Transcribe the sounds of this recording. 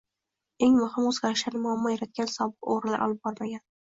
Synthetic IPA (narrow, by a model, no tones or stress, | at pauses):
e̞ŋmʊhɪmozɡʲaɾɪʃlaɾnɪmʊamːɒjaɾat̪̚ɡʲansɒbɨqo̰ɾɪla̰ɾʔɒ̰lˠɪp̚bɒɾmaɡʲan